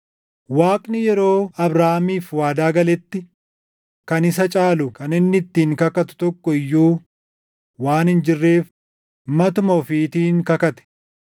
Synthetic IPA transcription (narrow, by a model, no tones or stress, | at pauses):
waːkʼnɪjɛɾo̞ːɐbɾaːhmiːfwaːd̪aːɡɐlɛt̪ːɪ | kɐnɪs̬ɐt͡ʃʼaːlʊkɐnɪnːɪt̪ːiːŋkɐkɐt̪ʊ̥t̪ɔkːɔɪjːuː | waːnhɪnd͡ʒɪrːe̞ːf | mɐt̪ʊmɐfit̪iːŋkɐkɐt̪ɛ̥